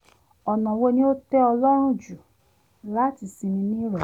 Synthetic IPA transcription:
ɔ˨nã˨wo˧nĩ˦o˦tɛ˦ɔ˧lɔ˦ɾ̃ũ˦˨d͡ʒu˨ | la˦ti˧sĩ˧nĩ˧nĩ˦ɾɔ˨

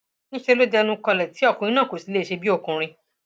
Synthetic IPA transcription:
nĩ˦ʃe˧lo˦dɛ˧nũ˦kɔ˧lɛ˨ti˨˦ɔ˦˨kũ˧ɾĩ˧˦nãː˦˨ko˨si˨˦le˦˨ʃe˧bi˦o˦˨kũ˧ɾ̃ĩ˧

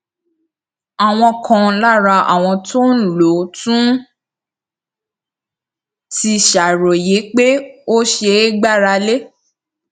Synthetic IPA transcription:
a˨w̃ɔ̃˧kʰã˧la˦˨ɾa˧ʔa̰˨w̃ɔ̃˧to˦n̩˦˨lo˨˦tũ˦ | ti˧ʃa˨ɾo˨je˨˦k͡pe˦o˦ʃe˧˦ɡ͡ba˦˨ɾa˧le˦

